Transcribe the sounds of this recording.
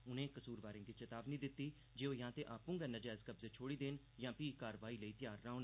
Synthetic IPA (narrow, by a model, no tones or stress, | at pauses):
ʊnẽːkəsuːɾbaːɾẽːd̪iːt͡ʃet̪aːbniːd̪ɪt̪ːiː | d͡ʒeːoːjãːt̪eːʔaːpũːɡɛːnəd͡ʒɛːzkəbzeːt͡ʃʰoːɽiːd̪eːn | jãːpiːkaːɾʋaːiːləiːt̪ɪjaːɾːaːonː